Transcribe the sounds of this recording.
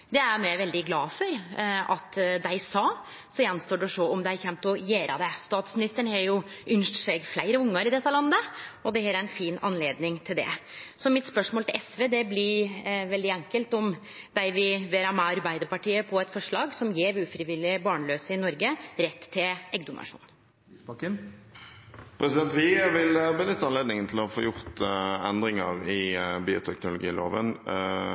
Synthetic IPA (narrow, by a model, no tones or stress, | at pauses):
d̪ɛæɾmæʋɛld̪ɪɡlɑːfɔɾʔɑt̪d̪æɪsɑː | sɔjɛnːst̪oːɖɛʂɔɔmd̪æɪçɛmpt̪ʊjeːɾʔɑ̰d̪æst̪ɑːt̪smɪnɪst̪əɳhɛɾjʊʔʏnʂʈsɛɡflæɪɾəʊŋːəɾɪd̪ɛt̪ːəlɑnːəɔd̪ɛheːɾæɾɛnfiːnɑ̰nleːd̪nɪŋt̪ʰɪld̪ɛ̰sɔmɪt̪spœʂmoːlt̪ɪlɛsʋeːd̪ɛblɪɾʋɛld̪ɪæŋkəlt̪ɔm | d̪̥æɪʋɪʋeːɾɑmɛɑɾbæɪd̪əɾpɑʈiːəpʰɔɛt̪fɔʂɭɑːɡsɔmjeːɾʉːfɾɪʋɪlːɪbɑːɳɭøːsəɪnɔɾɡəɾɛt̪ʰːɪlɛɡd̪ʊnɑ̰ʂṵːn | pʰɾɛsɪd̪ɛnt̪ʋɪʋɪlbənʏt̪ːəɑnleːd̪nɪŋənt̪ʰɪlɔfo̰ːjʊʁt̪ɛnd̪ɾɪŋəʁɪbiːʊ̰t̪ʰɛknʊlʊɡiːlo̰ːʋə̰n